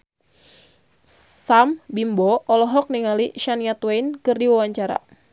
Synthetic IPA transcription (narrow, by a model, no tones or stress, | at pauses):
sambimbɔɔlɔɦɔk̚niŋaliʃaniat̪wainkɨrdiwawaɲt͡ʃaɾa̰